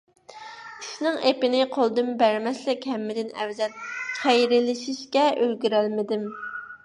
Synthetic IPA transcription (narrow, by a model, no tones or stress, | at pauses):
iʃnɪŋʔepɪnɪqʰolˠd̪ɨmbæɾmɛslɪkʲhɛmːɪd̪ɪnɛ̰wzɛt̪̚χejɾɪlɪʃiʃkʲɛølɡʲyɾælmɪd̪ɪm